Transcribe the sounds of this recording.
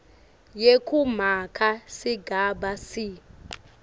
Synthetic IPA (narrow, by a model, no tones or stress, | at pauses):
jekʰum̤akʰasiɡʱaɓasi